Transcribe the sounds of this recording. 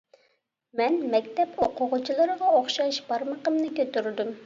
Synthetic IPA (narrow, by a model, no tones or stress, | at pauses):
mɛnmɛkʲt̪ɛpoqʊʁʊt͡ʃʰilˠəɾəʁɑoχʃɑʃb̥ɑɾməqəmnɨkʲøt̪yɾd̪ym